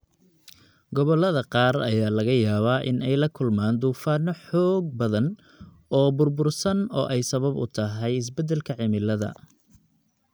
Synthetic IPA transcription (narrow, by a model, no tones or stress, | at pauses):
ɡɔβɔlɐðɐqɑːrɐ̰jaːlɐɣɐjaːβaːʔɪ̰nɛjlɐkʰʊlmaːnd̪uːfaːnɔħɔːɡ̚bɐðɐn | ɔːbʊrbʊrsɐnɔ̰ːʔɛjsɐβɐbʊ̰t̪ʰɐɦɛjɪs̬bɛd̪ːɛlkʰɐʕɪmɪlɐðɐ̰